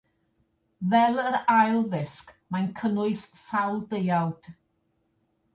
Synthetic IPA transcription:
vɛlˠəɾajlˠðɪskmankʰənʊɨssawlˠdejawd̥

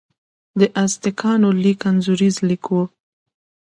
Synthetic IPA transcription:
d̪əʔast̪ɪkʰɑnolikanzuɾizlikʰo

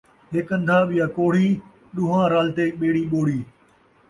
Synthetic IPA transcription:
ɦɪkə̃nd̪ʱaːɓɪjaːkoːɽ̤iː | ɗʊːɦãːɾaːlt̪eːɓeːɽiːɓoːɽiː

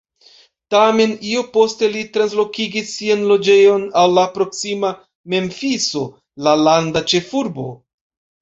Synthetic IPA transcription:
tame̞nio̞po̞ste̞litɾanslo̞kiɡisːianlo̞d͡ʒe̞jo̞nawlapɾo̞ksima | me̞mfiso̞ | lalandat͡ʃe̞fuɾbo̞̰

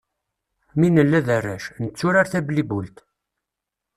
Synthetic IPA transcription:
minəlːæðærːæʃnət͡sːʊɾaɾθæblibult̪

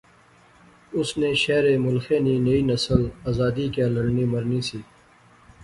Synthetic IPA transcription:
ʊsneːʃɛːɾeːmʊlxeːniːneiːnɐsəlaːzaːd̪iːkeːləɽniːmɐɾniːsiː

